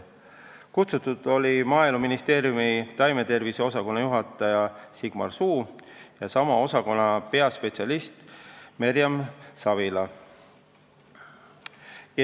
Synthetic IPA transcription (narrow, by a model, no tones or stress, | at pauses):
kut̪sut̪ːˑud̪̥o̞limɑːjluminist̪e̞ːɾjumit̪ɑjmet̪e̞rviseo̞sɑko̞nːɑjuɦɑt̪ˑːɑjɑsiɡ̥mɑ̰rsuː | jɑsɑmɑo̞sɑko̞nːɑpe̞ɑspe̞t̪siɑlist̪meɾjɑmsɑvilɑ